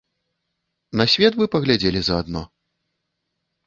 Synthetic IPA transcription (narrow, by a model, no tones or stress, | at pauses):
nɐsʲvʲɛt̪vɨpɐɣlʲad͡zʲelʲizɐad̪nɔ